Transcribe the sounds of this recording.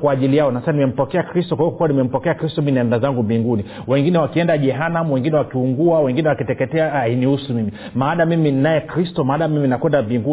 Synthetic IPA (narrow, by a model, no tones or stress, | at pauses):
kwaːʄilijaɔnasasanimɛm̩pɔkɛakɾistɔkwahiɔkkuwanimɛm̩pɔkɛakɾistɔminɛndazaŋɡumbiŋɡuni | wɛŋɡinɛwakiɛndaʄɛɦanamuwɛŋɡinɛwakiuŋɡuawɛŋɡinɛwakitɛkɛtɛaainiusumimi | maːɗamiminajɛkɾistɔmaːɗamiminakwɛndambiŋɡu